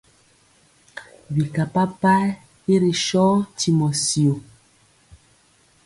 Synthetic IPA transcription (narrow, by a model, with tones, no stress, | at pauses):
bi˨ka˨pa˦pa˦ | i˦ɾi˨ʃɔ˦tʰi˨mɔ˨si˨o˨